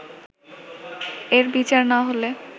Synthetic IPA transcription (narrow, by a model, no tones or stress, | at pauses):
eɾbit͡ɕaɾnaɦole